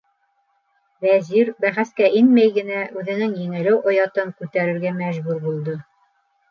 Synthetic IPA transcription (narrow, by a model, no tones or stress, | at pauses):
væziɾbæχæskæʔinmæjɡɘ̆næʔʉðɘ̆nɘŋjɘ̆ŋɘ̆lɘwʔŏjɑt̪ɤmkʉt̪æɾɘ̆ɾɡæmæʒbʉɾbulˠd̪ɤ